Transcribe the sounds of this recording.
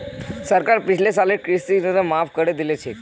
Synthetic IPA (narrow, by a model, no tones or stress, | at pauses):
səɾkaɾpit͡ɕlesalekɾist̪inəd̪əmafkəɽed̪ilet͡ɕʰe